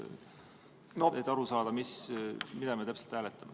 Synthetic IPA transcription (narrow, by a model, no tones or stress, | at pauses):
noed̪ɑɾusɑːd̪̥ɑmismid̪ɑmet̪æpselt̪hæːlet̪ːˑɑme